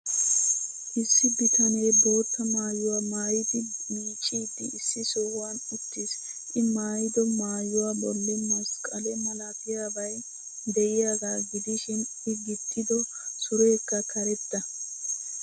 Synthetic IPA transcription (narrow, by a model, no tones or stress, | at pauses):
ʔɪsːɪbɪt̪ʰɐne̞ːbo̞ːt̪ːɐmaːjʊwaːmaːjɪd̪ɪiːt͡ʃʼːiːd̪ːɪːsːɪsowʊwanɪt̪ːɪs | ʔɪmaːjɪd̪ɔmaːjʊwaːbɔlːɪmɐskʼɐlɛmɐlakɪjaːbɐj | d̪ɛʔɪjaːɡ̪aːɡɪd̪ɪʃɪn | ɪɡɪt̪ʰːɪd̪ɔ | sʊɾe̞ːkːɐkʰɐɾɛt̪ːɐ